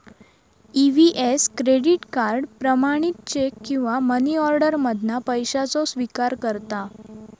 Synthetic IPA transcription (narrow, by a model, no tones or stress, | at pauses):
iʋiʔeskɾeɽiʈkaɾɖpɾəmaɽ̃it̪̚t͡ɕekːĩw̃ʋaməniɔɾɖəɾməd̪ʱnapəjɕat͡sɔsʋikaɾkəɾt̪a